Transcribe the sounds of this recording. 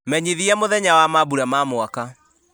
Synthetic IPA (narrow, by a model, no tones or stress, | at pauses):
mɛɲiðiɛmoðɛɲawamabuɾamamwaka